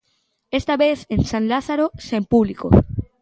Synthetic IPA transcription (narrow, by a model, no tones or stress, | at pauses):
est̪aβeθensãnlaθaɾosempuβliko̰